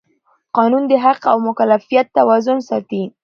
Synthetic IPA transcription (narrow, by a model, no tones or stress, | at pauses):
qɑnund̪əɦaqawmʊkalafijat̪ːawɑzʊnsɑt̪i